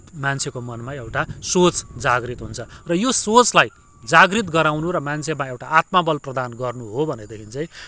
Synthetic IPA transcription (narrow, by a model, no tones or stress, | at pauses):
mant͡sʰekomʌnmaewʈasot͡sd͡zaɡrit̪ɦunt͡sʰʌrʌjosot͡slaj | d͡zaɡrit̪̬ɡʌɾawnuɾʌmant͡sʰemaewʈaʔat̪mabʌlprʌd̪anɡʌrnuɦobʱʌned̪ekʰint͡sʌj̃